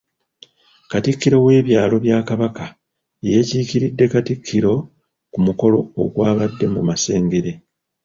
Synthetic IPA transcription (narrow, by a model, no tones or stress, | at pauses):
katikːiɾo̞we̞ːβjaːlo̞βjaːkaβaka | ejeciːciɾidːe̞katikʰːiɾo̞ | kumuko̞lo̞o̰ɡwaːβadːe̞mumase̞ːŋɡe̞ɾe̞